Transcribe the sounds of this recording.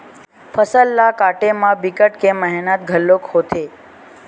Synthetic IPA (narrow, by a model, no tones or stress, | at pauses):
fʰəsəlːakaʈemãbikəʈkeməɦɛnat̪̚ɡʱəlːokhot̪ʰe